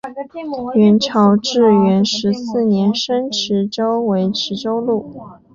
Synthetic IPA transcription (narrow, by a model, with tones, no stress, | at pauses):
ɥɛ˧˥nʈ͡ʂʰɑ˧˥ʊʈ͡ʂɻ̩˥˩ɥɛ˧˥nʂɻ̩˧˥sɹ̩˥˩njɛ˧˥nʂə˥nʈ͡ʂʰɻ̩˧˥ʈ͡ʂo˥ʊwe˧˥ɪʈ͡ʂʰɻ̩˧˥ʈ͡ʂo˥ʊlu˥˩